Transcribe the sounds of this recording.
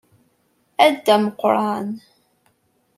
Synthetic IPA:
æd̪ːæməqɾˤɑn

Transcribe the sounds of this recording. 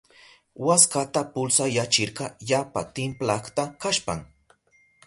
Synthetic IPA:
waskat̪apʊlsajat͡ʃɪɾɢɑjapa̰t̪ɪmplaχt̪akaʃpa̰ŋ

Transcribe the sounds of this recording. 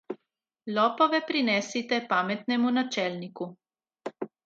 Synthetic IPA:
lɔːpɔʋɛpɾinɛsit̪ɛpaːmɛt̪nɛmunat͡ʃɛːlniku

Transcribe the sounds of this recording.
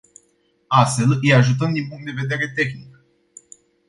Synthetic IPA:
ast̪fe̞ləjaʒut̪̬əmd̪inpuŋkt̪d̪e̞ve̞d̪e̞ɾe̞t̪e̞xnik̚

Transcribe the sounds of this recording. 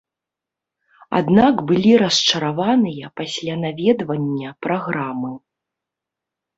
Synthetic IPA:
a̰d̪nakbɨlʲiɾɐst͡ʂɐɾavanɨjɐpasʲlʲanavʲɛd̪vɐnʲːɐpɾaɣɾamɨ

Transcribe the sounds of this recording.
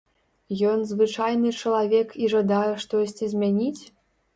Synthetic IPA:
jɔnzvɨt͡ʂajnɨt͡ʂɐlˠavʲɛkiʐad̪ajɛʂt̪ɔsʲt͡sʲizʲmʲanʲit͡sʲ

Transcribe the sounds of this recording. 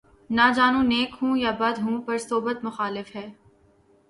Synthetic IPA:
naːd͡ʒaːnũneːkɦũːjabɐd̪ɦũːpɐɾsoːbət̪mʊxaːlɪfɦɛː

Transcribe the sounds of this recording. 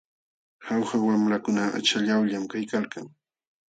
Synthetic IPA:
hawxawamɾakʊnaa̰t͡ʃaʎawʎamkajkalkaŋ

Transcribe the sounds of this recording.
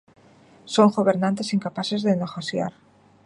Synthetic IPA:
soŋɡoβeɾnãnt̪esiŋkapasezðeneɣoθja̰ɾ

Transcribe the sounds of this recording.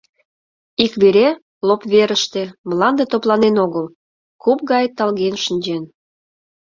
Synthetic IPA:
ikβeɾe | lopβeɾəʃt̪emlɑnd̪et̪oplɑnenoɣəl | kup̚ɣɑjt̪ɑlɣenʃənʲd͡ʑen

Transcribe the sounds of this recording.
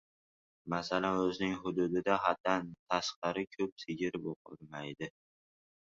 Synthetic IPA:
masalanɵzɪnɪŋɦʊd̪ʊd̪ɪd̪aɦat̪ːant̪ʰasqɑɾɪkʲʰɵp̚sɪɡʲɪɾboqʰɨ̰lˠmajd̪ɪ

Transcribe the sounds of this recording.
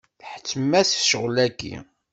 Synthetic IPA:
ħt͡sːəmːæsʃəʁlæɡḭ

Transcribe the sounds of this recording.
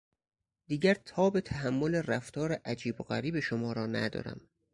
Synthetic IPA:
d̪̥iːɟæɾt̪ʰɒːbet̪ʰæɦæmːo̞leræft̪ʰɒːɾeʔæd͡ʒiːboɣæ̰ɾiːbeʃomɒːɾɒːnæ̰d̪ɒ̰ːɾæ̰m

